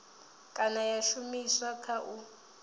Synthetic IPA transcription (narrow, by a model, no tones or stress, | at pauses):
kʼanajaʃumiswakʰaʔu